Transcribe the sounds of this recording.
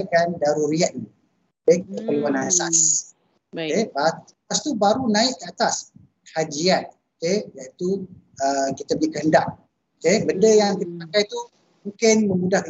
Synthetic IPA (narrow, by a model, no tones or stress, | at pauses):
kandaɾuɾiat̪̚dɲ | kekəpəluanasas | keba | ast̪ubaɾunãɪʔkəat̪as | kəhad͡ʒian | okejait̪u | əkit̪əbəlikəɦəndaʔ̚ | okebəndəjaŋkit̪əpakajt̪u | mũŋkɪnmə̃mudahk